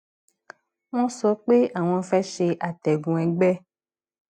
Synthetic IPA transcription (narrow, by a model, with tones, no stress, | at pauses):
w̃ɔ̃˦sɔ˨˦k͡pe˦a˨w̃ɔ̃˧fɛ˦ʃe˧ʔa˨t̪ɛ˨ɡũ˨ɛ̃˨ɡ͡bɛ˦